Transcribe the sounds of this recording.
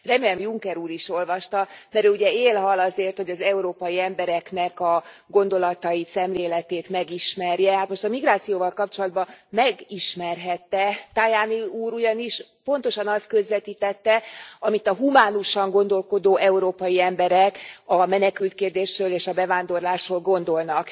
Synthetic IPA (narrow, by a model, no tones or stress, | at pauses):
rɛmeɛmjuŋkɛɾuːɾiʃo̞lvɒʃt̪ɒmɛɾøuɟɛeːlɦɒlɒzeːrt̪ho̞ɟɒzɛuɾoːpɒjiɛmbɛɾɛknɛkɒɡo̞n̪d̪o̞lɒt̪ɒjit̪sɛmleːlɛt̪eːt̪mɛɡiʃmɛrjɛhat̪mo̞ʃt̪ɒmiɡraːt̪sijoːvɒlkɒp̚t͡ʃo̞lɒd̪bɒmɛɡiʃmɛrɦɛt̪ːɛt̪ajaːniuːɾuɟɒniʃpo̞nt̪oʃɒnɒst̪kø̞zʋɛt̪iːt̪ɛt̪ːɛɒmit̪ɒɦumaːnuʃɒŋɡo̞nd̪o̞lko̞d̪oːʔɛuɾoːpɒjiɛmbɛɾɛkɒmɛnɛkylt̪keːrd̪eːʃrøːleːʃɒbɛvaːnd̪o̞rlaːʃholɡo̞nd̪o̞lnɒk